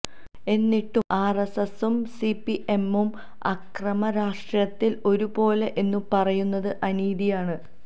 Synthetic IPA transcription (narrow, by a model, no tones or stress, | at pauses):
e̞nːiʈːumʔaːresɐsumsipːiʔe̞mːum | ɐkrɐmɐɾaːʂʈrjɐt̪ːilo̞ɾubo̞ːle̞ʔe̞nːupɐrɐjunːɐðɨʔɐniːðijaːɳɨ